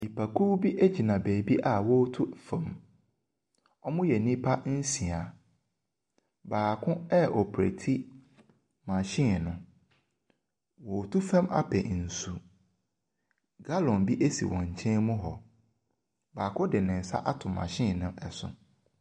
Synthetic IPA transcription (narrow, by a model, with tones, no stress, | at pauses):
mi˨pʰa˨kʰu˦bi˦ʔe˦d͡ʑi˨nã˨beː˨bi˦ʔa˨wɔ˦tʰu˦fã˨m | ɔ˦mʊ̃˦jɛ˨nĩ˦pʰa˦n̩˦si˨a˨ | baː˨kʰʊ̃˦ɛ˦ʔɔ˨pʰɾḛ˨tʰi˦ | mã˨ɕɪ̃˦˨nʊ̃˨ | wɔ˨tʰu˦fɛ̃˦ma̰˦pʰɛ̰˨n̩˨su˨ | ɡ̥a˦lɔ̃˨nbi˦ʔe˦sḭ˨wʔɔ̰̃˨ɲ̩˨t͡ɕʰɛ̃˦nmʊ̃˦ɦɔ˨ | baː˨kʰʊ̃˦dɪ˨nɪ̃˨n̩˨sa̰˦ʔa˦tʰʊ̃˨mã̰˨ɕɪ̃˦˨nʊ̃˦ʔɛ˨sʊ̰̃˦